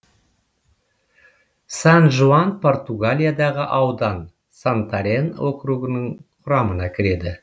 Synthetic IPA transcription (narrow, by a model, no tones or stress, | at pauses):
sɑnʒuanpʰo̞rt̪uɡalʲijad̪ɑʁəʔɑwd̪ɑn | sant̪aɾe̞nwokɾuɡənəɴqqʰʊɾɑmənɑkʲʰɪɾe̞d̪ɪ